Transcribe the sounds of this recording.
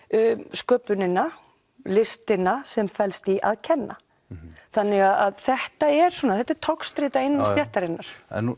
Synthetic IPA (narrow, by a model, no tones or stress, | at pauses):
skœːpʏnɪnːa | lɪst̪ɪnasɛmfɛlst̪iʔa̰ðcʰɛnːa | θanːɪɣaðaðθɛht̪aɛɾ̥swɔːnaθɛht̪ːɛɾ̥t̪ʰawkst̪ɾɪːt̪aɪnːamsjɛht̪aɾɪnːaɾ̥ɛ̰n